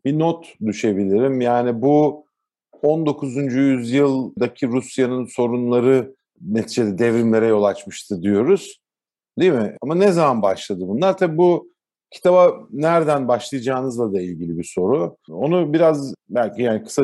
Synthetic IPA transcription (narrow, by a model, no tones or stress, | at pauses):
binot̪d̪yʃe̞bilʲiɾimjaːnibu | o̞nd̪o̞kʰuzund͡ʒyjyzjɯlˠd̪acʰiɾusjanɯnso̞ɾunlˠaɾɯ | ne̞t̪ʰiːd͡ʒed̪ɛd̪ɛvɾimlʲeɾɛjo̞lˠat͡ʃmɯʃt̪ʰɯd̪ijo̞ɾuz̥ | d̪imɪamanɛzamanbaʃlˠad̪ɯbunlˠaɾt̪ʰabibu | cʰi̥t̪ʰabanæɾd̪ænbaʃlˠɯjad͡ʒaːnɯzlˠad̪ailʲɟilʲibiso̞ɾuo̞nubiɾazbælʲcijaːnikʰɯ̥sa